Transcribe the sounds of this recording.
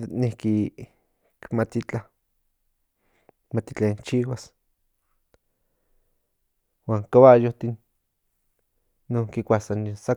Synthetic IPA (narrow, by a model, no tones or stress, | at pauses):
nihki | kmat̪it͡ɬa | mat̪it͡ɬaint͡ʃiwas | waːŋkaβajoht̪in | oŋkikʷasansa